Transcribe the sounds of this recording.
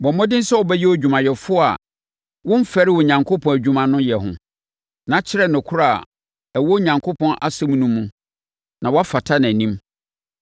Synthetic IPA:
bɔ̃˨mɔ̃˦dɪ˦n̩˦sɛ˦wɔ˨bɛ˦jɛ˦wæ˨d͡ʑᶣu˨mã˨jɛ˨fʊ˦a̰˨ | wʊ̃˦m˦fɛ˦ɾɪ˦wɔ˨ɲã˨ŋkʰo˦pʰɔ̃˨æ˨d͡ʑᶣũ˨mã˨nʊ̃˦jɛ˨ɦʊ̰̃˨ | nã˨˦t͡ɕʰɪ˦ɾɛ˦˨nʊ̃˨kʰʊ˦ɾa˦˨a̰˨ | æ˨wɔ˦ɲã˨ŋkʰo˦pʰɔ̃˦nʔa˦sɛ̃˦m̃˦nũ˦mːũ˦ | nã˨wɔ˦a˦fa˨tʰa˦nã˨nĩ˦m

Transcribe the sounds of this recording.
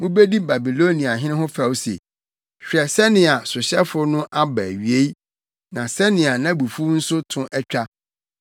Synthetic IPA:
mʊ̃˦be˦di˦ba˨bi˨lo˦nĩ˨a˨ɦɪ̃˦nɪ̃˦ɦʊ̃˦fa˨wo˦sḛ˨ | ɕᶣɛ˨sɛ˦nɪ̃˨a˨sʊ˨ɕɛ˦fʊ˦nʊ̃˦ʔa˦bæ˨ɥi˨e˦i˦ | nã˨sɛ˦nɪ̃˨a˨nã˦˨bu˨fu˦n̩˦sʊ˦tʰʊ̃˦ʔɛ˦t͡ɕᶣa˦

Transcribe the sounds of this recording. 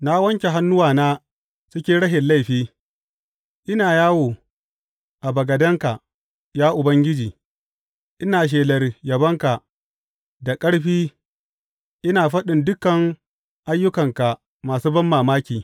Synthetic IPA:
na˦wɐ˦ŋkʲe˨ɦa˦nːʊ˦waː˨naː˦ | sʊ˦kʲeː˦ɽɐ˦ʃɪ˨nla˦jɸiː˦ | ʔɪ˦naː˨jaː˦woː˨ | ʔa˨bɐ˨ɡɐ˨dɐ˦ŋka˨ʔ | jaː˦ʔʊ˨bɐ˦ŋɡʲɪ˦d͡ʒiː˨ | ʔɪ˦naː˨ʃ̬eː˨lɐ˨rjɐ˨bɐ˦ŋka˨ʔ | da˨kʼɐ˦ɽɸiː˦ | ʔɪ˦naː˨ɸɐ˦ɗɪ˨ndʊ˦kːɐ˨ŋ | ʔa˦jːʊ˦kɐ˨ŋka˨ | maː˨suː˦bɐ˦mːaː˨maː˦kʲiː˨

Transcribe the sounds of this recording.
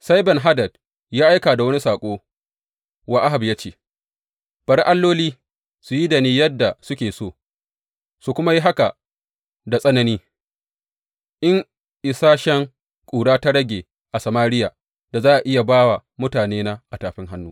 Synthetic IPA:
sa˦jbɛ˨nɦa˦dɐ˨d | jaː˦ʔa˦jkaː˨da˨wɐ˦ni˦saː˨kʷʼoː˦ | wa˨ʔa˦ɦa˨bjaː˦t͡ʃeː˦˨ | b̥ɐ˨ɾʔa˦lːoː˦liː˦ | su˨ji˦da˨niː˦jɐ˦dːa˨sʊ˦kʲeː˨soː˦˨ | su˨kʷʊ˦ma˦ji˦ɦa˦ka˨ | da˨sʼɐ˦nɐ˦niː˦ | ʔɪ˦ŋ | ʔɪ˨saː˦ʃɛ˦ŋ | kʷʼuː˨ɽaː˦ta˦ɽɐ˦ɡʲeː˨ | ʔa˨sɐ˨maː˦ɾɪ˦jaː˨ | d̥a˨zaː˦ʔa˨ʔɪ˦ja˨baː˦wa˨mʊ˦taː˨neː˦na˦ʔa˨taː˨ɸɪ˦ŋɦa˦nːuː˦

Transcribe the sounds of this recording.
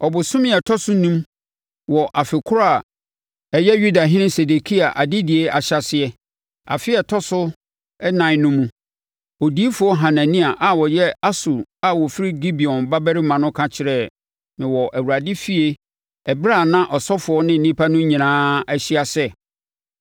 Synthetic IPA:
ɔ˨bʊ˨sʊ̃˦mɪ̃˦ɛ˨tʰɔ˦sʊ˦nũ˦m | wɔ˨ʔa˨fɪ˨kʰʊ˦a˨ | ɛ˨jɛ˦jɥu˦da˨ɦɪ̃˦nɪ̃˦se˨de˨kʰi˦a˨ʔa˨dɪ˦dɪ˨e˦a˨ɕa˨sɪ˨ɛ˨ | a̰˨fɪ˦ɛ˨tʰɔ˦sʊ˦ | ɛ˦nã˨ɪ˦nʊ̃˦mũ˦ | o˨di˨˦e˦fʊ˨˦ɔ˦ɦã˨nã˨nĩ˦a˨ʔa˨wɔ˨jɛ˦a˦su˨a˦wɔ˨fɪ˦ɾi˦ɡi˦bi˨ɔ̃˨nba˦bɛ˦ɾɪ˦mã˨nʊ̃˦kʰã˦t͡ɕʰɪ˨ɾɛ˨ | mɪ̃˨wɔ˨ʔæ˨wu˨ɾa˨dɪ˦fi˦e˦ | ɛ˨bɪ˦ɾa˦˨nã˦ʔɔ˨sɔ˦fʊ˨˦ɔ˦nɪ̃˦n̩˨nĩ˦pʰa˦nʊ̃˦ɲĩ˨nãː˦æ˦ɕi˦a˨sɛ˦

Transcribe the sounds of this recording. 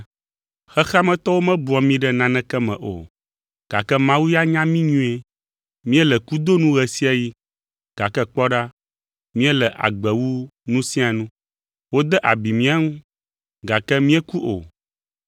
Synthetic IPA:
xɛ˦xa˦mɛ̃˦t̪ɔ˦wo˦mɛ̃˦bu˨˦ɔ˨mĩ˦ɖɛ˦nã˨nɛ̃˦kɛ˦mɛ̰̃˨ʔo̰˨ | ɡ̥a˨kɛ˦mã˦wu˦ja˦ɲã˦mĩ˦ɲũ˦e˦ | mĩ˦ɛ˦lɛ˨ku˦d̪o˦nũ˦ɣɛ˨si˦a˦ji˦ | ɡ̥a˨kɛ˦k͡pɔ˦ɖa˦ | mĩ˦ɛ˦lɛ˨ʔa̰˨ɡ͡bɛ˨wu˦nũ˦sĩ˦a˨nũ˦ | wo˦d̪ɛ˦ʔa˨bi˨mĩ˦a˦ŋũ˦ | ɡa˨kɛ˦mĩ˦ɛ˦ku˦ʔo̰˨

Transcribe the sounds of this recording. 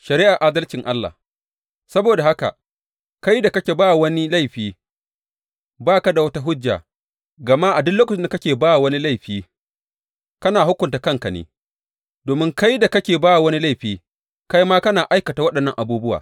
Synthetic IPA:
ʃɐ˨ɾiː˦ʔa˨ʔaː˦dɐ˦lt͡ʃɪ˨ŋʔa˦lːa̰˨ | sɐ˦boː˨da˨ha˦ka̰˨ | ka˦jda˨kɐ˦kʲe˨baː˦wwɐ˦ni˦la˦jɸiː˦ | baː˦ka˦da˨wɐ˦ta˦ɦʊ˦d͡ʒːa̰ː˨ | ɡɐ˨ma˦ʔa˨dʊ˦nloː˦kɐ˨t͡ʃɪ˦nda˨kɐ˦kʲeː˨baː˦wa˨wɐ˦ni˦la˦jɸiː˦ | kɐ˦naː˨hʊ˦kʷʊ˨nta˨kɐ˦ŋka˨nḛ˨ | doː˨mɪ˦ŋka˦jda˨kɐ˦kʲeː˨baː˦wa˨wɐ˦ni˦la˦˨jɸiː˦ | ka˦jmaː˦kɐ˦naː˨ʔa˦jkɐ˨ta˨wɐ˦ɗɐ˨nːɐ˦ŋʔa˨buː˦bʊ˦wa̰ː˨

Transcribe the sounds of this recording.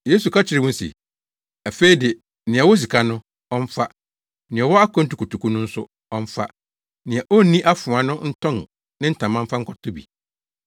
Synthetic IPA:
je˦su˨kʰa˦t͡ɕʰɪ˨ɾɪ˨wʊ̃˦n˦sḭ˨ | a˨fe˦i˦dɪ˨ | nɪ̃˨ɛ˨wɔ˦s̬i˨kʰa˦nʊ̃˦ | ɔ˦ɱ̩˦fa˦ | nɪ̃˨ɛ˨wɔ˦a˦kʰɔ̃˦n̩˦tu˨˦ku˨tu˨kʰu˦nʊ̃˦n̩˦sʊ˦ | ɔ˦ɱ̩˦fa̰˦ | nɪ̃˨a˨ʔɔ˦˨nĩ˦ʔa˦fʊ̃˨a˨nʊ̃˦n̩˦tʰɔ̃˦n˨ | nɪ̃˦n̩˦tʰã˨mã˦m̩˦fa˦ŋ̩˦kʰɔ˨tʰʊ˦bḭ˨

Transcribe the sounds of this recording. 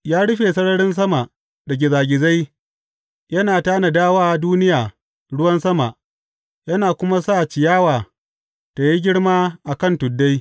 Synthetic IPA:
jaː˦ɽʊ˦ɸeː˨sɐ˦ɽɐ˦ɽɪ˦ns̬ɐ˦ma˨ʔ | dɐ˨ɡʲɪ˨zaː˨ɡʲɪ˨za˦j | jɐ˦naː˨taː˦na˨daː˦waː˦duː˦nɪ˦jaː˨ | ɽʊ˦wɐ˦nsɐ˦ma˨ʔ | jɐ˦naː˨kʷʊ˦ma˦saː˦˨t͡ʃɪ˨jaː˦waː˨ | ta˨ji˦ɡʲɪ˦ɽmaː˦ʔa˨kɐ˦˨ntʊ˨dːa˦j

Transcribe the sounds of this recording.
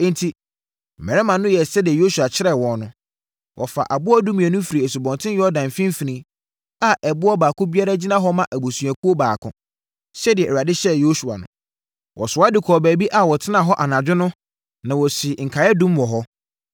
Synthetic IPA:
n̩˨tʰi˨ | m̩˨mɛ˨ɛ˦mã˨nʊ̃˦jɛ˨sɛ˦dɪ˨ɛ˨jo˦su˨a˨t͡ɕʰɪ˦ɾɛ˨wɔ̃˨nnʊ̃˦ | wʔɔ̰˨fa̰˨ʔa˨bʊ˦ɔ˦dũ˦mĩ˨ɛ˨nʊ̃˦fi˨ɾi˨e˨su˨bɔ̃˨ntʰɪ̃˦n˦jɔ˦dã˨m˨fĩ˦m̩˦fi˨nĩ˦ | a˨ʔɛ˨bʊ˦ɔ˦baː˨kʊ̃˦bi˦a˦ɾa˦d͡ʑi˦nã˦ɦɔ˦mã˦˨ʔæ˨bo˨su˨æ˨kʰu˦o˦baː˨kʰʊ̃˨ | ɕɛ˦dɪ˨ɛ˨ɾa˨dɪ˦ɕɛ˦jo˦su˨a̰˨nʊ̰̃˦ | wʔɔ̰˨sʊ˨˦a˦dɪ˨kʰɔː˨bæː˨bi˦ʔa˨wɔ˨tʰɪ˦nã˨ɦɔ˦ʔa˨nã˨d͡ʑᶣɪ˦nʊ̃˦ | nã˨wɔ˨sɪ˨ŋ̩˨kʰa˨jɛ˦dũ˦mwɔ˨ɦɔ˦

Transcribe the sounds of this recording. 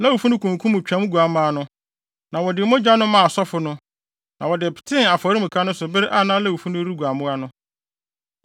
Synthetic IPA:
la˦wu˨fu˦nʊ̃˦kʰũ˨ŋ˨kʰũ˦mʊ̃˨t͡ɕᶣã˨˦m̃˦ɡʷu˨a˨mãː˦nʊ̃˦ | nã˨wɔ˨dɪ˨˦mʊ̃˦d͡ʑᶣa˦nʊ̃˦mã˨a˨sɔ˦fʊ˨nʊ̃˦ | nʔã˨wɔ˨dɪ˨pʰɪ̥˨tʰɪ̃˦na˨fɔ˨ɾi˦mʊ̃˨kʰa˦nʊ̃˦sʊ˨bɪ˦ɾɪ˦ʔa˦˨nãː˦la˦wu˨fu˦nʊ̃˦ɾu˦ɡu˨a˨mʊ̃˦a˦nʊ̃˦

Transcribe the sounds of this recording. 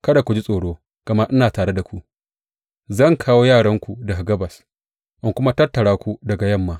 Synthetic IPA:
kɐ˦da˨kʷu˨d͡ʒi˦sʼoː˨ɽoː˦ | ɡ̥ɐ˨mɐ˦ʔɪ˦naː˨taː˨ɽe˦da˨kʷu˦ʔ | zɐ˦˨ŋkʰaː˦woː˦jaː˦˨ɽɐ˦ŋkʷu˨dɐ˨ɡa˨ɡɐ˦bɐ˨s | ʔɪ˦ŋkʷʊ˦ma˦tɐ˦tːɐ˨ɽaː˦kʷu˦dɐ˨ɡa˨jɐ˦˨mːaː˦

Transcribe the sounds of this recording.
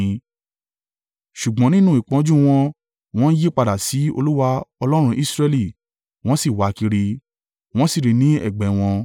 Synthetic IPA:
ʃu˨ɡ͡bɔ̃˨˦nĩ˦nũ˦i˨k͡pɔ̃˧˦d͡ʒũ˦w̃ɔ̃˧ | w̃ɔ̃˦n̩˦je˦k͡pa˧da˨si˨˦o̰˧lu˦wa˧ɔ˧lɔ˦ɾ̃ũ˧ʔi˦sɾɛ˧li˦˨ | w̃ɔ̃˦si˦˨wa˨˦ki˧ɾi˧ | w̃ɔ̃˦si˦˨ɾi˨˧nĩ˨˦ɛ̰˦˨ɡ͡bɛ˨w̃ɔ̃˧

